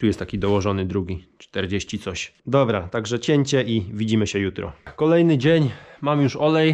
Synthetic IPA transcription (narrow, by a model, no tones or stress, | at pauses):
t̪ujɛst̪ːakʲid̪ɔwɔʐɔnɘd̪ɾuɡʲit͡ʂt̪ɛɾd͡ʑeɕt͡ɕit̪sɔɕ | d̪ɔbɾat̪aɡʐɛt͡ɕeɲt͡ɕɛʔivʲid͡ʑimɘɕɛjut̪ɾɔ̰kɔlɛjnɘd͡ʑeɲmamjuʂɔlɛj